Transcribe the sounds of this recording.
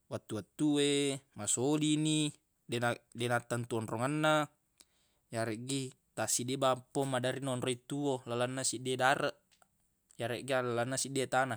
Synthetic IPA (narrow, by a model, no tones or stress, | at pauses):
wat̪ːuwat̪ːuwemasolini | denadenat̪ːant̪uonroŋanːa | jaɾeʔɡi | t̪asidebampomadaɾinnroit̪uolalanːasidedaɾəʔ | jaɾeʔɡialalanːasidet̪ana